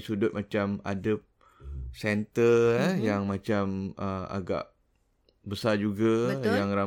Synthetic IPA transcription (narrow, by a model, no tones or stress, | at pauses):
sudʊt̪̚mãt͡ʃama̰dəp̚ | sɛnt̪əjaŋmãt͡ʃaməa̰ɡa̰ʔ | bəsad͡ʒuɡajaŋɾa